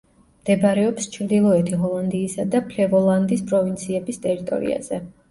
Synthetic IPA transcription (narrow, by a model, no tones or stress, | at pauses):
md̪̥ɛbɾɛɔpst͡ʃʰɾd̪ilˠɔɛt̪ʰiɦɔlˠand̪iːsad̪apʰlɛvɔlˠand̪ispʼɾɔvint̪sʰiɛbist̪ʼɛɾit̪ʼɔ̰ɾḭa̰z̥ɛ